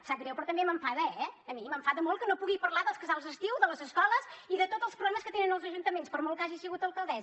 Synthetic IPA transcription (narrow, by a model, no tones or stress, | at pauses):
saɾɛwpɾɔt̪əmbeməɱfaðəɛːmiməɱfaðəmolˠkənopuɣipəɾlˠaðəlˠskəzalˠzðəst̪iwðələzəskɔlˠəziðət̪od̪zəlˠspɾuɣɾaməskət̪enənəlˠzəʒunt̪əmenspəɾmolˠkaʒisəɣut̪əlˠkəlˠd̪ɛz